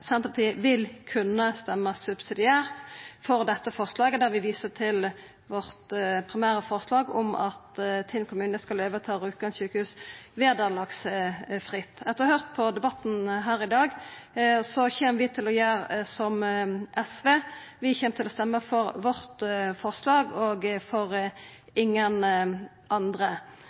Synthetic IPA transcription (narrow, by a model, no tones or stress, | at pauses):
sɛnt̪əpʰɑt̪ʰiːʋɪlkʰʉnːəst̪ɛmːəsʉbsɪd̪ɪæːʁt̪fɔʁd̪ɛt̪ːəfɔʁslɑːɡəd̪æʁʋɪʋiːsət̪ʰɪl | ʋɔʁt̪pʰʁɪmæːʁəfɔʁslɑːɡɔ̰mɑ̰t̪ɪnkʰʊmʉːnəskɑløːʋət̪ʰɑːɾʉːkɡɑnçʉːkəhʉːsʋeːd̪ɑːlɑksfʁɪt̪ːɛt̪əʁɔhœʁt̪̚pʰɔd̪ɛbɑt̪ːn̩ɦæːʁɪd̪ɑːɡ | sɔçeːməɾʋɪt̪ʰɪlɔjæːʁsɔmʔɛsʋeːʋɪçeːmət̪ʰɪlɔst̪ɛmːəfɔʁʋɔʁt̪fɔʁslɑːɡoːɡfɔʁ | ɪŋːən | ʔɑnd̪ʁə